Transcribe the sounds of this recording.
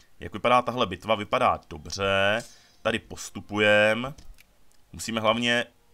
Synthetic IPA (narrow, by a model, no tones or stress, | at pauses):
ja̰kvɪpadaːt̪aɦlɛbɪt̪vavɪpada̰ːd̥o̞br̝ɛ | t̪adɪpo̞st̪upujɛm | musiːmɛɦlavɲɛ